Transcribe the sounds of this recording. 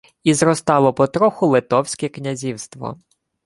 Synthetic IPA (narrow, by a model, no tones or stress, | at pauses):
izɾɔst̪ɑlˠɔpɔt̪ɾɔxʊlˠɪt̪ɔwsʲkɛknʲɐzʲiwst̪ʋɔ̰